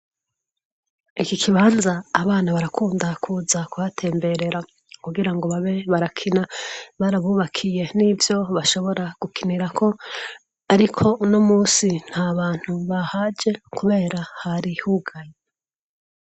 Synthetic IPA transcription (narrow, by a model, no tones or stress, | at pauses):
ikikʰiβaːnzaːβaːnaβaɾakʰuːndakʰuzakuβatʰe̞ːmbeɾe̞ɾa | kuɡiɾaŋɡo̞βaβe̞βaɾakʰinaβaːɾaβuːβakʰije̞nivjo̞βaʃo̞βo̞ɾaɡ̥ukʰiniɾakʰo̞ | aɾikʰo̞no̞muːsin̥haβaːn̥huβahad͡ʒe̞kuβe̞ːɾahaɾihuɡaje